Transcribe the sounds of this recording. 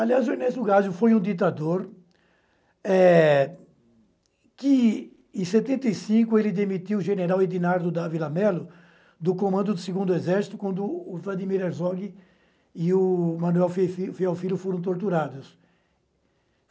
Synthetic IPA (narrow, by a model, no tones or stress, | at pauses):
aliazʊenesʊɡazʊfojũd̪it̪ad̪oɾ | ɛ | kɪ | ẽset̪ẽnt̪ejsĩkʊelɪd̪emit̪iwʊʒeneɾawid̪inaɾd̪ʊd̪avilamɛlʊ | d̪ʊkõmɐ̃nd̪ʊd̪ɪsɪɡũnd̪ʊezɛɾsi̥t̪ʊkwɐ̃nd̪ʊːvlad̪imiɾeɾzɔɡɪ | ɪʊmɐ̃nuɛwffiawfiɾʊfoɾɐ̃t̪̬oɾt̪uɾad̪ʊs